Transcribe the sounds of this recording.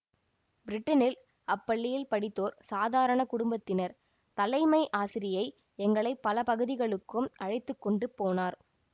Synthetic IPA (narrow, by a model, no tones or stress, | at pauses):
bɪɾɪʈːɐnɪl | ɐpːɐɭːɪjɪlpɐɽɪt̪ːoːɾsaːðaːɾɐɳɐkʊɽʊmbɐt̪ːɪnɐɾ | t̪ɐlɐɪmɐɪʔaːsɪɾɪjɐɪ | ɛŋɡɐɭɐɪpːɐlɐpɐɣɯðɪɣɐɭɯkːɯmʔɐɻɪt̪ːɯkːɔɳɖɯpːoːnaːɾ